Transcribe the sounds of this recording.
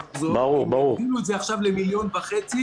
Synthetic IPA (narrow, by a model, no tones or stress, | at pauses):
zobaʁuʁbaʁuʁinuedzeaχʃavlemiljo̞nvaχet͡si